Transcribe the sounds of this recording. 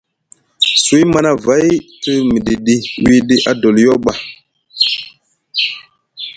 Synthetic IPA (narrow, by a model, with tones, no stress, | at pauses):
su˨˦i˦ma˦na˦va˨˦jtɨ˦mi˨ɗi˨ɗi˦wi˦ɗi˦ʔa˨do˨ljo˦ɓa˨